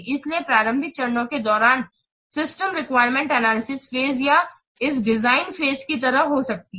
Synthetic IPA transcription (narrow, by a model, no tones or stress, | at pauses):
ɪsliepɾaːɾə̃mbʱɪk̪̚t͡ʃɐɾnõked̪ɔːɾaːn | sɪsʈəmɾɪkʋaːɪɾmɛ̃ɳʈɐnaːlɪsɪsfeːzja | ɪsɖɪzaːɪnfeːzkit̪ɐɾəɦosɐk̚t̪i